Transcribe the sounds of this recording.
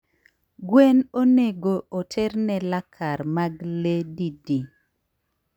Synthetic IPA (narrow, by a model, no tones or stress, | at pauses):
ɡwenoneɡoʔotʰeɾnɛlakʰaɾmaɡledidi